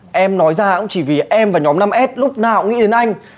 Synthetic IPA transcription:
ʔɛ˧mnɔ˨˦jzaː˧kʊ̰˧˥ŋ͡mt͡ɕi˧˩vi˨˩ʔɛ˧mvaː˨˩ɲɔ˨˦mna˧mʔɛ˦˥t̚lʊ˦˥k͡p̚naː˨˩ʊ̰˧˥ŋ͡mŋḭ˧˥˩ɗe˨˦nʔa˧jŋ̟

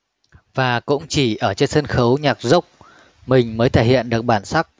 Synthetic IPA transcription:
vaː˨˩kʊ̰˧˥ŋ͡mt͡ɕi˧˩ʔəː˧˩t͡ɕe˧nsə˧nxə˨˦wɲaː˨˩k̚zə˦˥wk͡p̚ | mï˨˩ŋ̟məː˨˦jt̪ʰeː˧˩hḭ˧˨ənɗɨ˨˩ək̚ɓaː˧˩nsa˦˥k̚

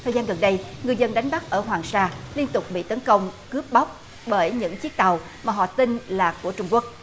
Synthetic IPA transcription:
t̪ʰəː˨˩zaː˧nɣə˨˩nɗə˧jŋɨ˨˩əzə˧nɗa˨˦jŋ̟ɓa˦˥k̚ʔəː˧˩ɦwaː˨˩ŋsaː˧li˧ənt̪ʊ˨˩k͡p̚ɓḭ˧˨t̪ə˨˦nkə˧wŋ͡mkɨ˦˥əp̚ɓa˦˥wk͡p̚ | ɓəː˧˩jɲɨ̰˧˥ŋt͡ɕi˦˥ək̚t̪a˨˩w | maː˨˩ɦɔ̰˧˨t̪ï˧nlaː˨˩ku˧˩ət͡ɕʊ˧ŋ͡mku˦˥ək̚

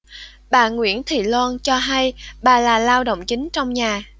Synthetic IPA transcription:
ɓaː˨˩ŋwḭ˧˥ənt̪ʰḭ˧˨lwa˧nt͡ɕɔ˧ɦa˧jɓaː˨˩laː˨˩laː˧wɗo̰˧˨wŋ͡mt͡ɕï˨˦ŋ̟t͡ɕɔ˧wŋ͡mɲaː˨˩

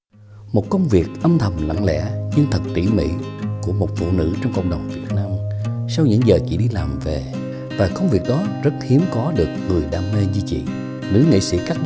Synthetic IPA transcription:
mo˨˩t̚kə˧wŋ͡mvi˨˩ək̚ʔə˧mt̪ʰə˨˩mla̰˧˨ŋlɛ̰˧˥ɲɨ˧ŋt̪ʰə˨˩k̚t̪ḭ˧˥mḭ˧˥ku˧˩əmo˨˩t̚fṵ˧˨nɨ̰˧˥t͡ɕɔ˧wŋ͡mkə̰˧˨wŋ͡mɗə˨˩wŋ͡mvi˨˩ək̚naː˧msa˧wɲɨ̰˧˥ŋzəː˨˩t͡ɕḭ˧˥ɗi˧laː˨˩mve˨˩ | vaː˨˩kə˧wŋ͡mvi˨˩ək̚ɗɔ˨˦zə˦˥t̚hi˨˦əmkɔ˨˦ɗɨ˨˩ək̚ŋɨ˨˩əjɗa̰ː˧mne˧zi˧t͡ɕḭ˧˨ | nɨ̰˧˥ŋḭ˧˨sḭ˧˥ka˦˥k̚

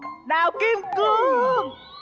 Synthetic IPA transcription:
naː˨˩wki˧mkɨ˧˦ŋ

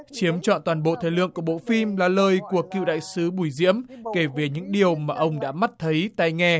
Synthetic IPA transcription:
t͡ɕi˨˦əmt͡ɕɔ̰˧˨nt̪waː˨˩nɓo̰˧˨t̪ʰə˨˧˩jlɨ̰˧˨əŋku˧˩ɓo̰˧˨fi˧mlaː˨˩ləː˨˩jku˧˩əkḭ˧˨wɗa̰ː˧˨jsɨ˨˦ɓu˧˩jzḭ˧˥əmke˧˩ve˨˦ɲɨ̰˧˥ŋɗi˨˩əwmaː˨˩ʔə˧wŋ͡mɗa̰ː˧˥ma˦˥t̚t̪ʰə˨˦jt̪a˧jŋɛ˧

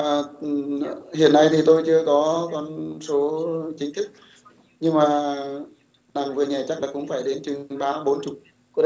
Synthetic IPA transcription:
hḭ˧˨ənːa˧jt̪ʰi˨˩t̪o˧jt͡ɕɨ˧əkɔ˨˦kɔ˧nso˨˦t͡ɕï˨˦ŋ̟t̪ʰɨ˦˥k̚ | ɲɨ˧ŋmaː˨˩ | na˨˩ŋvɨ˨˩əɲɛ˨˩t͡ɕa˦˥k̚laː˨˩kʊ̰˧˥ŋ͡mfaː˧˩jɗe˨˦nt͡ɕɨ˨˩ŋɓaː˧ɓo˨˦nt͡ɕʊ˨˩k͡p̚ | kɔ˨˦

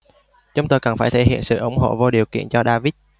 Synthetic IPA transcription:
t͡ɕʊ˧wŋ͡mt̪oː˧˩jkə˨˩nfaː˧˩jt̪ʰe˧˩hḭ˧˨ənsɨ̰˧˨ʔʊ˧˩˦ŋ͡mɦo̰˧˨vo˧ɗi˨˩əwkḭ˧˨ənt͡ɕɔ˧ɗaː˧vi˦˥t̚

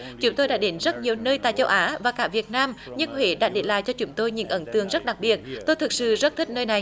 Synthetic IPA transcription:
t͡ɕʊ˨˦ŋ͡mt̪o˧jɗa̰ː˧˥ɗe˨˦nzə˦˥t̚ɲi˨˩əwnəː˧jt̪a̰ː˧˨jt͡ɕə˧wʔaː˨˦vaː˨˩kaː˧˩vi˨˩ət̚naː˧mɲə˧nhwe˧˦ɗa̰ː˧˥ɗe˨˦la̰ː˧˨jt͡ɕɔ˧t͡ɕʊ˨˦ŋ͡mt̪o˧jɲɨ̰˧˥ŋʔə˨˦nt̪ɨ˨˩əŋzə˦˥t̚ɗa˨˩k̚ɓi˨˩ət̚t̪o˧jt̪ʰɨ˨˩k̚sɨ̰˧˨zə˦˥t̚t̪ʰï˦˥k̟̚nəː˧jna˨˩j

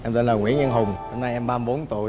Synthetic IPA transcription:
ʔɛ˧mt̪ə˧nləː˨˩ŋwḭ˧˩ənɲə˧nɦʊ˨˩ŋ͡mho˧mna˧jʔɛ˧mɓaː˧m˧ɓo˨˦nt̪ṵ˧˨ə˨j

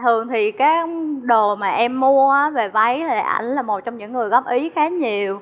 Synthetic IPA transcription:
t̪ʰɨ˨˩əŋt̪ʰi˨˩kaː˨˦jɗo˨˩maː˨˩ʔɛ˧mːu˧əʔaː˨˦ve˨˩va˨˦jtʰːʔa̰˧jŋ̟laː˨˩mo˨˩t̚t͡ɕɔ˧wŋ͡mɲɨ̰˧˥ŋːɨ˨˩əjɣɔ˦˥p̚ʔi˨˦xaː˨˦ɲi˨˩əw

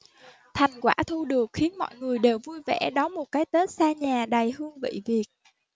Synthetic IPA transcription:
t̪ʰa˨˩jŋ̟kwaː˧˥˩t̪ʰu˧ɗɨ˨˩ək̚xi˨˦ənmɔ̰˧˨jŋɨ˨˩əjɗe˨˩wvu˧jvɛ̰˧˥ɗɔ˨˦mo˨˩t̚kaː˨˦jt̪ə˦˥t̚saː˧ɲaː˨˩ɗa˨˩jhɨ˧əŋvə̰˧˨jvi˨˩ət̚

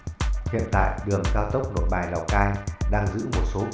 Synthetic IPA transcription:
hḭ˧˨ənt̪a̰ː˧˨jɗɨ˨˩əŋkaː˧wt̪ə˦˥wk͡p̚no˨˩t̚ɓaː˨˩jla˨˩wkaː˧jɗaː˧ŋzɨ̰˧˥mo˨˩t̚so˨˦

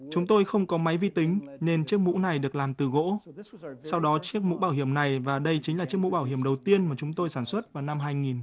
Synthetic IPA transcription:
t͡ɕʊ˨˦ŋ͡mt̪o˧jxə˧wŋ͡mkɔ˨˦ma˨˦jvḭ˧t̪ï˨˦ŋ̟ne˧nt͡ɕɨ˦˥ək̚mṵ˧˥na˨˩jɗɨ˨˩ək̚laː˨˩mt̪ɨ˨˩ɣo̰˧˥ | sa˧wɗɔ˨˦t͡ɕi˦˥ək̚mṵ˧˥ɓaː˧˩whi˧˩əmna˨˩jvaː˨˩ɗə˧jt͡ɕï˨˦ŋ̟laː˨˩t͡ɕəkmṵ˧˥ɓaː˧˩whi˧˩əmɗə˨˩wt̪i˧ənmaː˨˩t͡ɕʊ˨˦ŋ͡mt̪o˧jsaː˧˩nswə˦˥t̚vaː˨˩wna˧mɦaː˧jŋi˨˩n

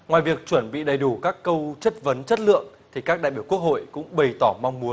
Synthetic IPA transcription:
ŋwaː˨jvi˨˩ək̚t͡ɕwə˧˩nɓḭ˧˨ɗə˨˩jɗu˧˩kaː˦˥kːə˧wt͡ɕə˦˥t̚və˨˦nt͡ɕə˦˥t̚lɨ̰˧˨əŋt̪ʰi˨˩kaː˦˥k̚ɗa̰˧˨jɓi˧˩əwku˦˥ək̚ho̰˧˨jkʊ̰˧˥ŋ͡mɓə˨˩jt̪ɔ˧˩ma˧wŋ͡mmu˨˦ən

